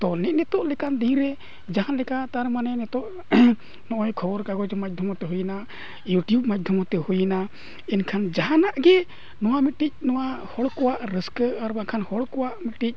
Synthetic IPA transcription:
d̪ɔnɛʔˀnɛt̪ɔʔlɛkand̪ĩɾɛ | d͡ʒaɦanlɛkat̪aɾmanɛnɛt̪ɔʔ | nɔʔɔjkʰɔbɔɾkaɡɔd͡ʒɔmac̚d̪ʱɔmɔt̪ɛɦujna | juʈjub̚mac̚d̪ʱɔmɔt̪ɛhujina | ɛnkʰand͡ʒaɦanaʔɡɛ | nɔwamiʈic̚nɔwahɔɽkɔwaʔɾəskəaɾbakʰanhɔɽkɔwaʔmiʈic̚

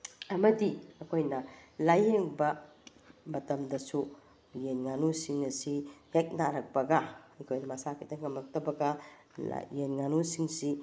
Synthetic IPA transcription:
ɐmɐdiɐkʰojnɐlajeŋbɐ | mɐtɐmdɐsu | jenŋanusiŋɐsihek̚naɾɐk̚pɐɡɐikʰojnɐmasakʰitɐŋɐmɐk̚tɐbɐɡɐ̰ | jenŋanusiŋsi

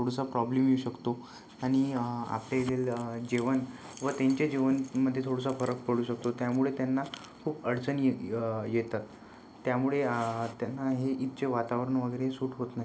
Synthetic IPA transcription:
oɽsapɾɔblemjeuɕəkt̪o | aɽ̃ia̰pljajeleld͡ʑeʋən | ʋət̪eɲt͡ɕed͡ʑeʋənməd̪ʱːjet̪ʰoɽəsafəɾək̚pəɽuːɕək̚t̪ot̪jamuɭet̪janːa | kʰuːbəɽt͡sənejet̪at̪ː | jamuɭet̪janːaɦeʔit̪t͡ɕeʋat̪aʋəɾəɳʋəɡəjɾeɦsuːʈɦot̪naɦi

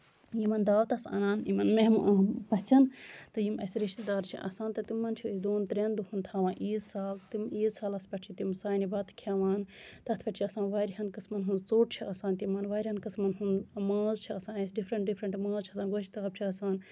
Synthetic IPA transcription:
jimɐnd̪aːwt̪ɐsɐ̰naːnimɐnmeɦmpɐt͡sɐnt̪ɨjimɐsɾiʃt̪id̪aːɾt͡ʃʰḭʔɐ̰sãːnt̪ɐt̪imːɐnt͡ʃʰiisd̪oːnt̪ɾʲend̪uhunt̪ʰaːʋãːʔiːzsaːlt̪imiːzsaːlɐspɐʈt͡ʃʰit̪imsaːnibɐt̪ʰkʲʰaːʋaːnt̪ɐt̪ʰpɐʈt͡ʃʰiɐsãːnʋaːɾiɦɐnkɐsmɐnɦunzt͡soːʈt͡ʃʰiɐsaːnt̪imɐnʋaːɾʲhɐnkɐsmɐnɦunmaːzt͡ʃʰiɐsãːɐsɖifʰɾɐɳʈ̚ɖifʰɾɐɳʈmaːzt͡ʃʰiɐsãːnɡot͡ʃit̪ɐːb̚t͡ʃʰiɐsaːn

